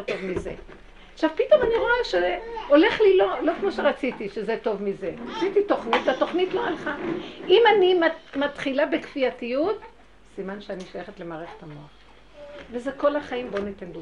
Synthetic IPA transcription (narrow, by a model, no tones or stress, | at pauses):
tovmizḛ | aχʃavpito̞maniʁo̞eʃeole̞χlilo̞lo̞kmo̞ʃeʁat͡sit̪iʃezeto̞vmize̞ʁat͡sit̪ito̞χnit̪ato̞χnitloalχaimanimmatχilabekfiatijut | simanʃeaniʃajeχet̪le̞maːʁeχe̥tamoaχ | vezeko̞laχaimbo̞net̪enli